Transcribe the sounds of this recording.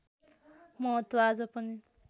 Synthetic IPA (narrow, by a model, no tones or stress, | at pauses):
mʌɦʌt̪wʌad͡zʌpʌni